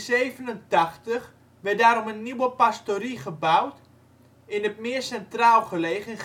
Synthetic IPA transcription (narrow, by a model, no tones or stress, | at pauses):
sejvənəntaχtəχ | ʋɛdaːɾɔmənːiwəpastoɾiχəbawt | ɪnət̚mɪərsɛntraːlˠχəlejɣən